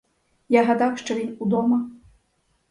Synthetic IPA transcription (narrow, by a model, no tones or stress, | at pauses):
jaɣad̪awʂt͡ʂɔvʲinud̪ɔmɐ